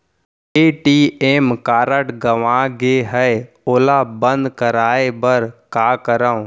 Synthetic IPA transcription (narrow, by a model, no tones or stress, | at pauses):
eːʈiːeːmkaːɾəʈɡəʋãːɡeɦɛ | oːlaːbə̃nd̪kəɾaːebəɾkaːkəɾə̃